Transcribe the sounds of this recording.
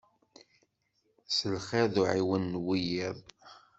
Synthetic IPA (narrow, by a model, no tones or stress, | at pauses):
səlχeðuʕiwənːwijɪðˤ